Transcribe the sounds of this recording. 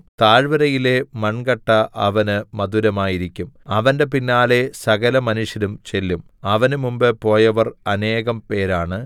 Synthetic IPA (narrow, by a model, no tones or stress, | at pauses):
t̪aːɻʋɐɾɐjile̞mɐɳɡɐʈːɐʔɐʋɐnɨmɐðuɾɐmaːjiɾikʲːumɐʋɐnde̞pinːaːle̞sɐɣɐlɐmɐnuʂjɐɾumt͡ɕe̞lːum | ɐʋɐnɨmumbɨpo̞ːjɐʋɐrɐne̞ːɣɐmpe̞ːɾaːɳɨ